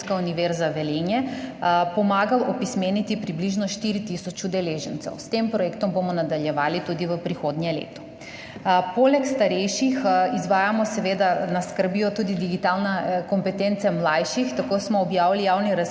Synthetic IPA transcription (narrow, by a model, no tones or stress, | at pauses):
kauniʋɛɾzaʋɛleːnjɛpɔmaːɡalʔɔpismenit̪ipɾibliʒnɔʃt̪iɾit̪isɔt͡ʃud̪ɛleːʒɛnt̪sɛ̰wst̪empɾɔjekt̪ɔmbomɔnad̪aljɛʋaːlit̪ud̪iʋəpɾixoːd̪njɛlḛːt̪ɔ̥ | poːlɛkst̪aɾɛjʃixizʋaːjamɔsɛʋeːd̪anaskəɾbjɔt̪uːd̪id̪iɡit̪aːlnakɔmpɛt̪ent̪sɛmlajʃixt̪akoːsmɔːbjaːʋilijawniɾa